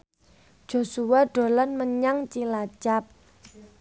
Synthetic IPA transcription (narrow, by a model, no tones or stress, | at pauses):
ʒ̥o̤suwaɖ̥o̤lanməɲaŋt͡ʃilat͡ʃap̚